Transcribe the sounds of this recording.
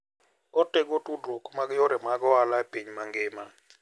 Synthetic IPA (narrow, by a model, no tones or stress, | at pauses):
ɔtɛɡotudɾokmaɡjɔɾɛmaɡɔalapiɲmaŋɡɪma